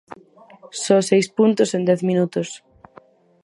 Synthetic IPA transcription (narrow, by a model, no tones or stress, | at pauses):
sɔsejspunt̪ʊsend̪ɛθmĩnut̪os